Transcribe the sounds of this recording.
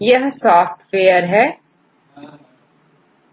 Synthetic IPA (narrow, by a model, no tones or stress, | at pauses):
jɐɦsɔːfʈ̪feːəɾɦɛː